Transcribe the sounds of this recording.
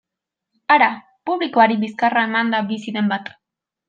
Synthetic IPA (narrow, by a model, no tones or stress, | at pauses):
aɾa | puβlikoaɾibiskaraemand̪abisid̪embat̪ḁ